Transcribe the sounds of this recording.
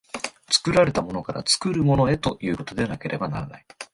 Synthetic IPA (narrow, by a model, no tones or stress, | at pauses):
t͡sɨ̥kɯ̟ɾaɾe̞t̪amo̞no̞kaɾʔa̰t͡sɨ̥kɯ̟ɾɯ̟mo̞no̞e̞t̪o̞jɯ̟ːko̞t̪o̞d̪e̞anake̞ɾʔe̞bana̰ɾana̰i